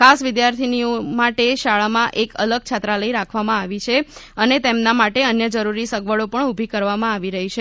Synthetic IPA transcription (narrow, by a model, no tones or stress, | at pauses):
kʰasʋɪd̪jaɾt̪ʰiniomaʈeʃaɭamãʔekələɡ̚t͡ʃʰat̪ɾaləiɾakʰʋamãaʋit͡ʃʰeənet̪emnamaʈeənjəd͡ʒəɾuɾisəɡʋəɭopəɳubʱikəɾʋamãaʋiɾəɦit͡ʃʰe